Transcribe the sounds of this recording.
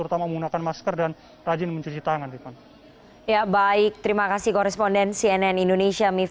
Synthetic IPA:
əɾut̪amaməŋunakanmaskərdan | rad͡ʒɪnməɲt͡ʃut͡ʃit̪aŋandikan | jabaɪk̚t̪əɾimakasihkɔɾɛspɔndɛnsiɛnɛnindonesiami

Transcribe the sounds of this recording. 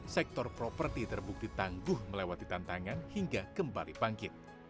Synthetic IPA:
sɛk̚t̪ɔrpɾopərt̪it̪ərbuk̚d̥̪it̪aŋɡʊhməlewat̪̚dit̪ant̪aŋanhiŋɡakəmbalipaŋkɪt̪̚

